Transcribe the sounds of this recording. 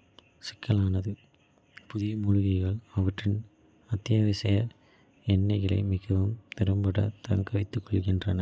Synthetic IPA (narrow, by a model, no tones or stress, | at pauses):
sɪ̥kːɐɭaːnɐðɯ | pʊðɪjɐmʊɻʊɣɐɪɣɐɭɐʋɐʈrɪn | ɐt̪ːɪjɐʋɪsɐjɐ | ɛnːɐɪɣɐɭɐ̰ɪmɪɣɐʋɯmt̪ɛɾɐmbɐɽɐ̰t̪ɐŋɡɐʋɐɪt̪ːɯkːɔɭɣɪndrɐnɐ